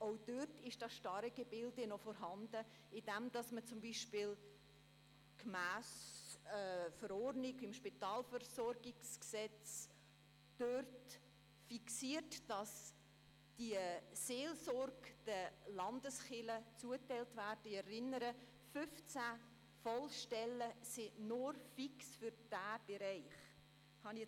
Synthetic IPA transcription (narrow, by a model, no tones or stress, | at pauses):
ʔoʊd̥øtɪʃd̥ɑsʃtɑɾəɡəbɪldənɔfɔɾɦɑndə | ɪdɛmd̥ɑsmət͡sʊmbiːʃpɪːl | kmæːs | fəɾɔɾnɪɡɪmʃpɪtɑːlfəɾsɔrɡɪɡsksɛt͡s | d̥ørt | fiksiərtd̥ɑs | d̥iəseːlsɔɾɡ̥d̥ɛlɑndəsχɪlət͡suətaɪltvæːrdɪɛɾɪnːəɾə | fʏft͡sæ | fɔlʃtɛləsɪnʊrfiksfyɾd̥æːb̥eɾaɪχ | hɑni